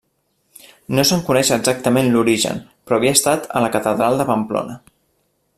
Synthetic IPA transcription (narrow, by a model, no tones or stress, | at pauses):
nosəŋkunɛʃəːɡzak̚t̪əmenluɾiʒə̰npɾɔːβiəst̪at̪ə̰ləkət̪əðɾalˠd̪əpəmplo̰nə